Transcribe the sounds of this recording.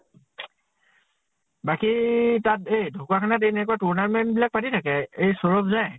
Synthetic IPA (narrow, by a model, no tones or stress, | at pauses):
bakitatejdʱukwakʰanat̬enɛkuatuɹnanmɛnbilak̚patitʰakɛejsɔɹɔpzaj